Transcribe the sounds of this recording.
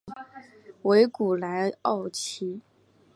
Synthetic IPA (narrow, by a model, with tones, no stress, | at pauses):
we˧˥ɪku˨˩la˧˥ɪɑ˥˩ʊt͡ɕʰi˧˥